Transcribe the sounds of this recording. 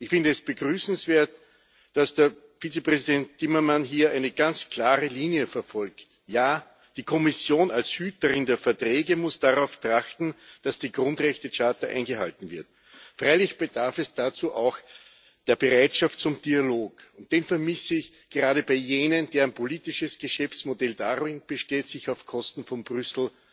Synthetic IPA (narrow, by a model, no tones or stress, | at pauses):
ʔɪçfɪ̃ndəɛsb̥əɡʁyːsn̩sv̥eːɐt | d̥asd̥eɐ | fiːt͡səpʁ̥ɛzidɛntːɪmɐmanɦiːɐʔæɪnəɡ̥ant͡skʰl̥aːʁəliːnjəfɛɐfɔlkt | jaː | d̥iːkʰɔmɪsjoːnalshyːtəʁɪndeːɐfɛɐtʁ̥ɛːɡəmʊsd̥aʁaʊftʁ̥axtn̩d̥asd̥iːɡʁʊ̃ndʁɛçtət͡ʃaːtɐʔæ̰ɪnɡəha̰ltn̩vɪɐt̚ | fʁ̥aɪlɪçb̥əd̥aɐfɛsd̥at͡suːʔaʊx | d̥eːɐbəʁaɪtʃaftt͡sʊmd̥ialoːkʊnt̚d̥eːnfɛɐmɪsəɪç | ɡ̥əʁaːɾəbaɪjeːnənd̥eːɐænpʰoliːtɪʃəsɡ̥əʃɛft͡smodɛld̥aʁɪnb̥əʃteːtsɪçaʊfkʰɔstn̩fɔmbʁʏsl̩